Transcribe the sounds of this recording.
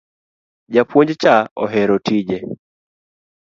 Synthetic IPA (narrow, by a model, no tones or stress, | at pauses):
d͡ʒapwoɲd͡ʒt͡ʃaɔɦɛɾɔtʰid͡ʒɛ